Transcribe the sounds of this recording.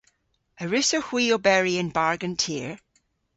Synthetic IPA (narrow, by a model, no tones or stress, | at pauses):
əɹɪsohw̥iːobɛɹiə̃nbaɹɡə̃ntʰiɹ